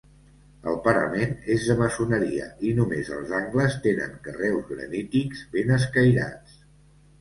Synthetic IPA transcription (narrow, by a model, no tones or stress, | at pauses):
əlˠpəɾə̰menezðəməsunəɾiə̰inumezə̰lˠzaŋɡləst̪enə̰ŋkərɛwzɣɾə̰nit̪ikz̥βenəs̬kəjɾa̰t͡s